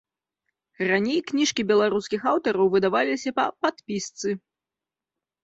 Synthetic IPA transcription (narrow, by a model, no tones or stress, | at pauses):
ranʲejknʲiʂkʲibʲɛlˠaɾuskʲixawt̪ɐɾɐwvɨd̪avalʲisʲɐpɐpat̪pʲist̪sɨ